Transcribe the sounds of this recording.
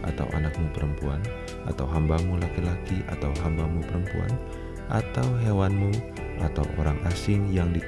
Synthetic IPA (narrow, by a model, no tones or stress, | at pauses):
a̰t̪a̰wʔa̰nak̚mupəɾəmpuan | ʔa̰t̪awɦambamulakilakiʔa̰t̪awɦambamupəɾəmpua̰n | ʔat̪awɦewanmu | at̪a̰wʔo̰ɾaŋʔasɪŋjaŋdi